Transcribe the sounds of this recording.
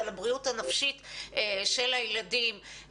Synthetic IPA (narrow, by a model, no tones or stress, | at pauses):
alabʁiuthanafʃitʃe̞lajladim